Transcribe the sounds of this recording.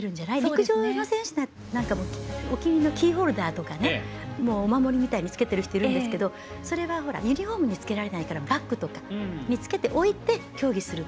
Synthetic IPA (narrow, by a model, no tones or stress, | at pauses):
eɾɯ̟̃ɲ̟d͡ʑanaiɾʲikɯ̟ʑo̞ːno̞sẽ̞ɰ̃ɕɨd̪a | nãŋkamoːokʲiɲ̟ino̞kʲiːɦo̞ːɾɯ̟d̪aːt̪o̞kane̞ | mo̞ːmamo̞ɾʲimʲit̪aiɲ̟it͡sɨ̥ke̞t̪e̞ɾɯ̟çi̥t̪o̞iɾɯ̟̃nd̪e̞sɨ̥ke̞d̪o̞ | so̞ɾe̞βaɦo̞ɾa̰jɯ̟ɲ̟ʲiho̞ːmɯ̟ɲ̟it͡sɨ̥ke̞ɾaɾe̞naikaɾabakːɯ̟t̪o̞kḁɲ̟it͡sɨ̥ke̞t̪e̞ʔo̞it̪e̞kʲo̞ːɡʲisɨɾɯ̟